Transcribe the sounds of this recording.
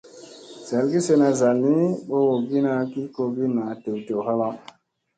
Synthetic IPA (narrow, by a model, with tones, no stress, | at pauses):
z̥a˨lɡi˦se˦na˨za˨lni˦ɓo˦wo˨ɡi˦na˦ki˦ko˨ɡi˦na˨te˨wte˨wɦa˦la˦